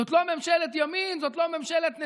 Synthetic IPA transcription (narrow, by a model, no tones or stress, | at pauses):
ot̪lomemʃelet̪̬jaminzot̪lomemʃelet̪ne